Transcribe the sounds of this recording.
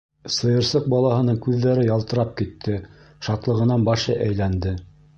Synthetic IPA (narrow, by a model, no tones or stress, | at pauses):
sɤ̆jɤ̆ɾsɤq̚bɑlˠɑhɤ̆nɤŋkʉðːæɾɘjɑlˠt̪ɤ̆ɾɑp̚kit̪ʰːɘ | ʃɑt̪lˠɤ̆ʁɤ̆nɑnbɑʃɤʔæjlænd̪ɘ